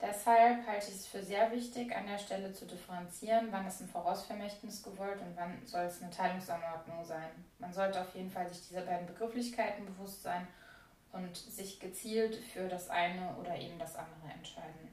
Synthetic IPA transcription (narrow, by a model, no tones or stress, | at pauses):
d̥ɛshalphaltəɪçɛsfyːɐzeːɐvɪçtɪça̰ndeːɐʃtɛlət͡sudɪfəʁɛnt͡siːʁənvanɛstnfoːʁaʊsfɛɐmɛçtnɪsɡ̥əvɔltʊntv̥anz̥ɔlɛsnətʰaɪlʊŋsanɔɐdnʊŋzaɪnmanzɔltəaʊfjeːdn̩falzɪçd̥iːzəbaɪdn̩bəɡʁɪflɪçkʰaɪtn̩bəvʊstz̥aɪn | ʔʊntz̥ɪçɡ̥ət͡siːltfyːɐɾasʔaɪnəʔo̰ːɾɐʔḛːbm̩dasʔa̰ndəʁ̞əɛ̰ntʃaɪdn̩